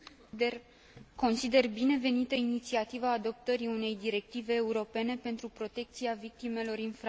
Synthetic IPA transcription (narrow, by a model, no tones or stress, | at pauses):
ko̞nsid̪e̞rbine̞ve̞nit̪əinit̪siat̪ivaːd̪o̞p̚t̪əɾiune̞jd̪iɾe̞k̚t̪ive̞ːuɾo̞pe̞ne̞pe̞nt̪ɾupɾo̞t̪e̞k̚t̪siavik̚t̪ime̞lo̞rinfɾ